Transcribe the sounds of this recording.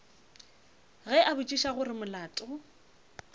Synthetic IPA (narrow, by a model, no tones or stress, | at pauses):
ɣɛʔabʊt͡ʃʼiʃaɣʊrɪmʊlaːtʼʊ